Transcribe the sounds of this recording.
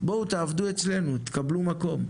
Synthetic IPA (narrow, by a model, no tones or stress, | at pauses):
bo̞ut̪aːvd̪ue̞t͡sle̞nut̪kablumako̞m